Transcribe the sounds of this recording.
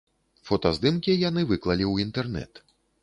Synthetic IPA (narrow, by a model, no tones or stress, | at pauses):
fɔt̪ɐzd̪ɨmkʲijanɨvɨklˠɐlʲiwint̪ɛrnɛ̰t̪